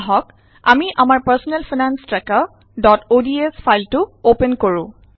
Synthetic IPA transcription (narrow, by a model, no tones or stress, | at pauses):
ɦɔk | a̰miʔamaɹpaɹsɔnɛlfʰinanstɹɛka | dɔtodiesfʰajltʊopenkoɹũ